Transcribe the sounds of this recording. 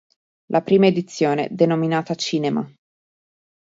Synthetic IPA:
lʔapɾiːmaed̪it̪sːjoːnḛd̪enominaːt̪at͡ʃiːnema̰

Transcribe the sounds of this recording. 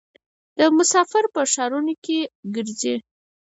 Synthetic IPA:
d̪̥əmʊsɑfɪɾpəʃɑɾunokeɡəɾze

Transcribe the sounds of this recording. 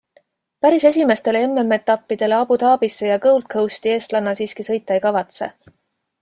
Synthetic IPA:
pæɾise̞s̬ʲime̞st̪e̞leemːemːet̪ˑːɑpːid̪̥e̞le̞ɑb̥ut̪ɑːb̥isːe̞jɑkɤwlt̪̚kʰɤwst̪ie̞ːst̪lɑnːɑsiːskisɤ̞jt̪ˑːɑjkɑvɑt̪se̞̰

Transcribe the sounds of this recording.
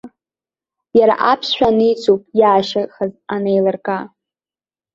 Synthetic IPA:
jaɾa̰ʔapʰsʃʷᶣanɨjt͡sʰupʼjaːʃaχazanejlarkʼa

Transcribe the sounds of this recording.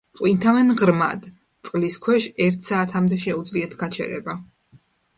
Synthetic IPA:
p̪qʼwint̪ʰavɛnʁɾma̰d̪ | t̪sʼqʼliskʰwɛʃɛɾt̪ʰsaːt̪ʰamd̪ɛʃɛud̪zliɛt̪ʰɡat͡ʃʰɛ̰ɾɛ̰ba

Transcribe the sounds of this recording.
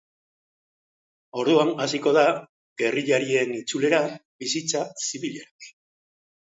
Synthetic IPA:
o̞ɾðuanasiko̞ða | ɡe̞riʎaɾie̞nit͡sule̞ɾa | βisit͡sasiβiʎeɾaki

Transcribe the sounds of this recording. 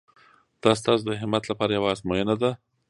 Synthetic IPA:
d̪̥ɑs̬t̪ɑsod̪əɦɪmat̪lapɑɾajawaːzmojənad̪a

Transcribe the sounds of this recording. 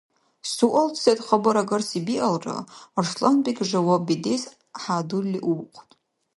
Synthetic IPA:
suʔaltʰsetʼχabaɾaɡarsibiʔalra̰rʂlanbʼikʲʼʐʷawabidez | ħadulʲːiʔuqʷʰʼtʼ

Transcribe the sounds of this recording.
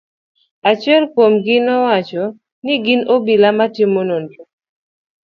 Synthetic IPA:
at͡ʃɛlkomɡɪnɔwat͡ʃɔ | nɪɡɪnobilamatimonondo

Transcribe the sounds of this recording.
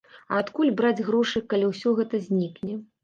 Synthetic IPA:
ɐ̰ːt̪kulʲbɾad͡zʲɣɾɔʂɨkalʲiwsʲɔɣɛt̪ɐzʲnʲiknʲɛ

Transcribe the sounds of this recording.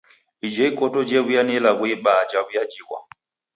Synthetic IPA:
id͡ʒɛikɔtɔd͡ʒɛβujanɛlaβwiɓad͡ʒaβujad͡ʒiɣwa̰

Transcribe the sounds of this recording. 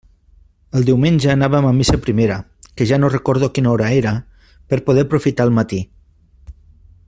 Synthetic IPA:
əlˠd̪iwmenʲd͡ʒəːnaβəmamisəpɾimeɾə | kəʒanorəkoɾð̞okinɔɾaeɾə | pəɾpoðɛɾpɾufit̪aəlˠmat̪i

